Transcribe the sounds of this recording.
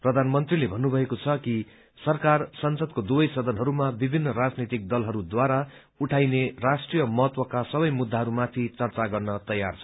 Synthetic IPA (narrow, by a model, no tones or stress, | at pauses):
prʌd̪ʱanmʌnt̪rilebʱʌnːubʱʌekot͡sʰʌki | sʌrkarsʌnsʌd̪̚kod̪ubʌjsʌd̪ʱʌnɦʌɾumabibʱinːʌɾad͡znit̪ik̚d̪ʌlɦʌɾud̪waɾa | uʈʰajnerasʈrijʌmʌɦʌt̪wʌkasʌbʌjmud̪ʱːaɦʌɾumat̪ʰit͡sʌrt͡saɡʌrnʌt̪ʌjart͡sʰʌ